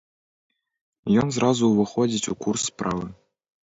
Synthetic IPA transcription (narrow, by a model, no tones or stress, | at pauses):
jɤns̬rʔɑzuʋɤ̆χodʲitʲukursprɑʋɤ̆